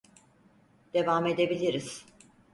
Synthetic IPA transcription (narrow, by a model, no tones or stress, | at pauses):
d̪̥e̞vame̞d̪e̞bilʲiɾiz̥